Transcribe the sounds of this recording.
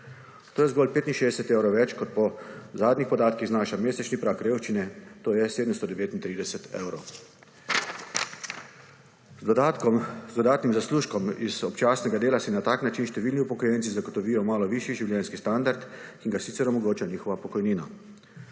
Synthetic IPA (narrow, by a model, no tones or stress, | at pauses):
t̪oːjɛzɡɔːlpeːt̪inʃeːd̪ɛsɛt̪ewɾoʋɛt͡ʃkɔt̪̚pɔzaːd̪nixpɔd̪aːt̪kiɣznaːʃameːsɛt͡ʃnipɾakɾeːwʃt͡ʃinɛt̪oːjɛseːd̪əmst̪ɔd̪ɛʋeːt̪int̪ɾiːd̪ɛsɛt̪ḛːwɾow | zd̪ɔd̪aːt̪nimzasluːʃkɔmiz̥ɔpt͡ʃaːsnɛɡad̪eːlasinat̪aːknat͡ʃinʃt̪ɛʋiːlniupɔkɔjɛnt̪izaɡɔt̪ɔʋiːjɔmaːlɔʋiːʃjiʒiwljɛnskist̪and̪aɾt̪kiŋɡasiːtsɛɾɔmɔɡoːt͡ʃaniːxɔʋapɔkɔjniːna